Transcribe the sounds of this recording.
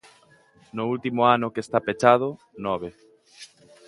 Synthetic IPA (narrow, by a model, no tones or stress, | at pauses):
noult̪imoanʊkest̪apet͡ʃað̞o | nɔβe